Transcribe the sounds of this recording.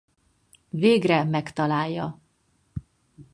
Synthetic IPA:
veːɡrɛmɛkt̪ɒlaːjːɒ

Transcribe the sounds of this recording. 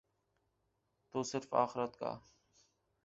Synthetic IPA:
t̪oːsɪɾfa̰ːxɪɾət̪ka̰ː

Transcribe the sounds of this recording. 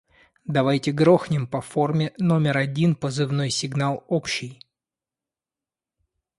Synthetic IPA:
d̪ɐvajtʲɪɡɾo̞xnʲɪmpɐfo̞rmʲɪno̞mʲɪɾɐdʲinpəzɨvno̞jsʲɪɡn̪alˠopɕːɪj

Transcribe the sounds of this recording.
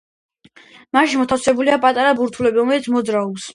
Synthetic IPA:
maʃimɔt̪ʰafsɛbuliapʼat̪ʼaɾabuɾt̪ʰulɛbiɾɔmɛlit̪sʰmɔd̪zɾaɔbs

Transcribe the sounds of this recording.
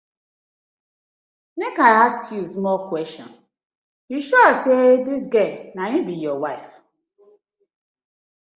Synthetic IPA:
mekaasjusmɔkwɛstɔ̰̃n | juʃɔsedɪs̬ɡenaɲibijɔwaɪf

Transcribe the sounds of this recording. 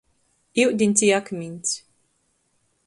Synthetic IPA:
iwd̪ʲinʲt̪siːakmʲinʲt̪s

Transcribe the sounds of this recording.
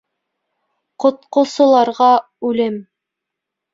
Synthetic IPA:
qŏt̪̚qŏsɤ̆lˠɑɾʁɑ | ʉlɘm

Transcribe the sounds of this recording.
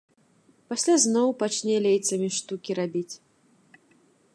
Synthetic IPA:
pasʲlʲaznɔwpat͡ʃnʲɛlʲejt̪sɐmʲiʂt̪ukʲiɾabʲit͡sʲ

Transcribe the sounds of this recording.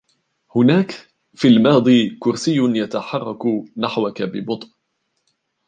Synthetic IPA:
hʊnaːk | fiːlmɑːd̪ˤiːkʊɾsɪjːʊjat̪aħɑrˤːɑknaħwakabɪbʊt̪ˤʔ

